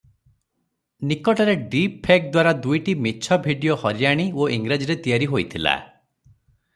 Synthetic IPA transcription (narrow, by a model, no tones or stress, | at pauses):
nikɔʈɔɾeɖipʰek̚d̪waɾad̪ujʈimit͡ʃʰɔbʱiɖijohɔɾjaɽ̃ioiŋɡɾed͡ʒiɾet̪ijaɾiɦojt̪ʰila̰